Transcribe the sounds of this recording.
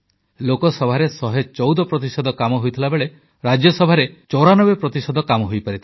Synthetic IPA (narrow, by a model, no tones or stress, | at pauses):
lokɔsɔbʱaɾesɔɦet͡ʃɔwd̪ɔpɾɔt̪isɔd̪ɔkamɔɦojt̪ʰilabeɭe | ɾad͡ʒjɔsɔbʱaɾet͡ʃɔɾanɔbepɾɔt̪isɔd̪ʱɔkamɔɦojpaɾit̪ʰi